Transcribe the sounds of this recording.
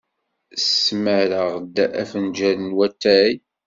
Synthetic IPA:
sməɾəʁd̪æʔæfənd͡ʒæɾənwæt̪ːæj

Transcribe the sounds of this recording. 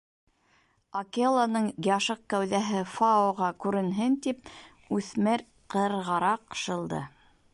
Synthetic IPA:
ɐkʲelˠanɤɴɡʲɑʃɤq̚kæwðæɦɘfaoʁɑkʉɾɘ̆nɦɘnt̪ip̚ | ʉθmɘɾ | qɤ̆ɾʁɑɾɑqʃɤ̆lˠd̪ɤ̰

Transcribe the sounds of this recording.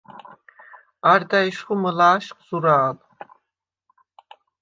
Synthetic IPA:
aɾd̪aiʃχuməlaːʃqʼz̥uɾaːl

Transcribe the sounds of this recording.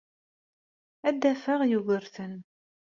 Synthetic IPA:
æd̪ːæfəʁjuɣəɾθən

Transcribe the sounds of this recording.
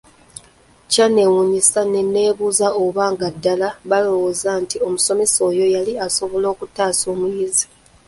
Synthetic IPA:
cane̞wuɲisane̞nːe̞ːβuːzaoβaːŋɡadːalaβalo̞wozantio̞muso̞me̞so̞ːjo̞jaliaso̞βo̞lo̞ːkutːaːso̞ːmujizi

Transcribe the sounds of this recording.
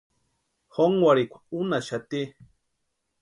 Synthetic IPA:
xoŋwaɽikʷḁunaʃat̪i

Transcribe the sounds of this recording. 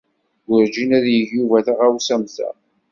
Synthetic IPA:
ɡʊɾd͡ʒinæðjəʝjuvæθaʁæwsæmθæ̰

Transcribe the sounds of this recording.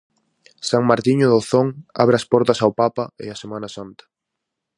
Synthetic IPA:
saŋmaɾt̪iɲoðoθoŋa̰βɾɐspɔɾt̪ɐsawpapɐɪ̰asemanɐsant̪ɐ̥

